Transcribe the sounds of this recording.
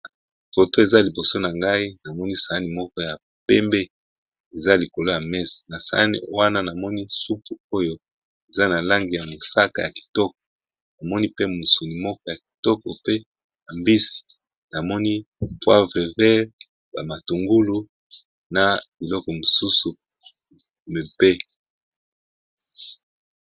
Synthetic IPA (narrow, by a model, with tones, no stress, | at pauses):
fo˨to˦e˨za˦li˨bo˨so˦na˨ŋɡa˦i˦na˨mɔ˦ni˦sa˨a˦ni˨mɔ˦kɔ˦ja˨ | pɛ˦mbe˦ | e˨za˦li˨ko˨lo˦ja˨mɛ˦si̥˨na˨sa̰˨a˦nḭ˦˨wa˦na˦na˨mɔ˦ni˦su˦pu˨o˦jo˦ | e˨za˦na˨la˦ŋɡi˨ja˨mo˨sa˦ka˨ja˨ki̥˨tɔ˦k̚ɔ̥˨ | na˨mɔ˦ni˦pe˦mu˨su˨ni˨mɔ˦kɔ˦ja˨k̚i̥˨tɔ˦kɔ˨pe˦ | ja˨mbi˦si̥˨ | na˨mɔ˦ni˦pwa˦ve˨vɛ˦ʁ | ba˨ma˨tu˨ŋɡu˦lu˨ | na˨b̥i˨lɔ˦kɔ˨mo˨su˦su˨ | me˨pe˦